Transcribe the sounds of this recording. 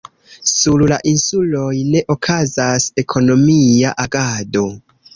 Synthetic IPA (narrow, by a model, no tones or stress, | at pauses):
sullaʔinsulo̞jne̞ʔo̞kʰazase̞kʰo̞no̞miaʔaɡado̞